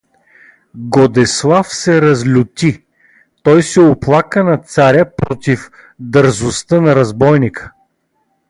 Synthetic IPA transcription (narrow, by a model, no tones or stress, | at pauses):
ɡod̪ɛslˠafsɛɾɐzlʲʊt̪i | t̪ɔjsɛoplˠakənɐt̪saɾʲəpɾɔt̪if | d̪əɾzʊst̪ənɐɾɐzbɔjnikə̥